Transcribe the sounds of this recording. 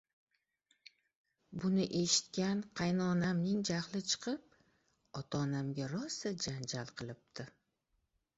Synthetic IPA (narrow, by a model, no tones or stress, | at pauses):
bʊnɪʔe̞ʃɪ̥t̪kʲanqʰɑjnɒːnamnɪŋd͡ʒaχlˠɪt͡ʃʰɨ̥qʰɨp̚ | ɒt̪ʰaːnamɡʲaɾɒsad͡ʒand͡ʒalˠqʰɨlˠɪp̚d̪ʰɪ